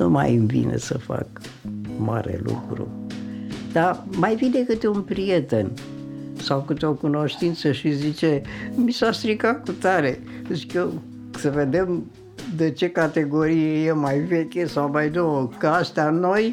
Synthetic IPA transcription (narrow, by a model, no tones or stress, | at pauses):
nṵma̰jɨɱvḭnḛsəfa̰k | ma̰ɾḛlṵkɾṵ | d̪̥amajvine̞kɨt̪eunpɾijet̪en | sawkɨt̪eo̞kuno̞ʃt̪int̪səʃizit͡ʃemisast̪ɾikakut̪aɾe | zikə | səved̪e̞m | d̪et͡ʃe̞kat̪e̞ɡo̞ɾijejemajvekʲesawmajd̪owəkəast̪ano̞j